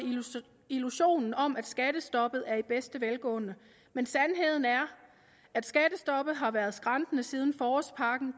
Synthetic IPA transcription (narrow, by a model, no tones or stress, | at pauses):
iluɕo̝̰ːnn̩ɒ̽mʔæd̥sɡ̥æd̥əsd̥ɒ̽b̥ð̞̩ˠæɐib̥esd̥əʋelɡ̥ɔ̰̽ːnə | mensænɦe̝ð̞̰ˠn̩æɐ | æd̥sɡ̥æd̥əsd̥ɒ̽b̥ð̩ˠɦɑ̈ʋæɐðˠsɡ̥ʁɑ̈nd̥ənəsiːð̞ˠn̩fɒːɒspʰɑ̈ɡ̥n̩